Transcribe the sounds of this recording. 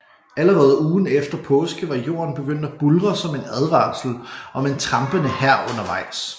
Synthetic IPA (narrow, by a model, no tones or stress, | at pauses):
æləʁɛːð̞̩ˠuːn̩efd̥ɐpʰɔ̽ːsɡ̥əʋɑ̈jo̝̰ːɐnb̥e̝ɡ̥øn̰d̥æb̥ulʁɐsɒ̽me̝næð̞ˠʋɑ̈ːsl̩ɒ̽me̝nt͡sʰʁɑ̈mb̥ənəhæɐ̰ɔ̽nɐʋɑ̈ɪ̰s